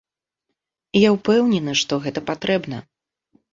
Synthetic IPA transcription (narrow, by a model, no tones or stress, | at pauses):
jawpɛwnʲɛnɨʂt̪ɔɣɛt̪ɐpat̪ɾɛbnɐ